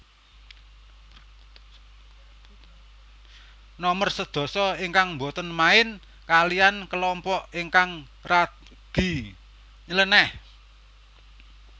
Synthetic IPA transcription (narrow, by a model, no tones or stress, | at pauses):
nɔmərsəd̪̥ɔ̤sɔiŋkaŋmbo̤t̪ənmaɪn | kaliankəlɔmpɔʔiŋkaŋ | ra | ɡ̥i̤ | ɲələnɛh